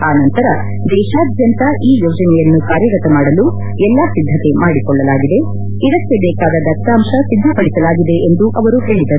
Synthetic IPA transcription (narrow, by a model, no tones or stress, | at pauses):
aːnɐnt̪ɐɾɐ | d̪ɛːʃaːd̪ʱjɐnt̪ɐʔiːjoːd͡ʒɐnɛjɐnːukaːɾjɐɡɐt̪ɐmaːɽɐlu | ɛlːasid̪ʱːɐt̪e̞maːɽikɔɭːɐlaːɡid̪e̞ | id̪ɐkːebɛːkaːd̪ɐd̪ɐst̪aːmʂɐsid̪ʱːɐpɐɽisɐlaːɡid̪e̞ʔend̪uʔɐʋɐɾuɦe̞ːɭid̪ɐɾu